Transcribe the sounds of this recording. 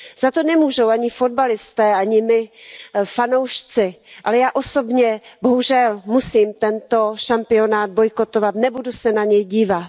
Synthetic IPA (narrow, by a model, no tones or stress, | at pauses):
z̥at̪o̞nɛmuːʒowʔaɲɪfo̞d̪̚balɪst̪ɛːʔaɲɪmɪ | fano̞wʃt͡sɪʔalɛjaːʔo̞so̞bɲɛbo̞ɦuʒɛlmusiːmt̪ɛnt̪o̞ʃampɪo̞naːd̪̚bo̞jko̞t̪o̞vat̪nɛbudusɛnaɲɛjɟiːvat̪